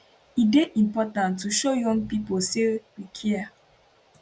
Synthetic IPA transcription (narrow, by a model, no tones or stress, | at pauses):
ideʔĩmpɔtãntːuʃojɔ̃ŋɡ̚piposewikʰia